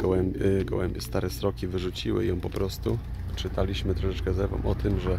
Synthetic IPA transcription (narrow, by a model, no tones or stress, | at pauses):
ɡɔwɛmbʲɡɔ̰wɛmbʲjɛst̪aɾɛst̪ɾɔkʲivɘʐut͡ɕiwɘ̰jɔ̃w̃pɔpɾɔst̪u | t͡ʂɘt̪alʲiɕmɘt̪ɾɔʂɛt͡ʂkɛzɛɾvɔ̰̃mʔɔt̪ɘmʐɛ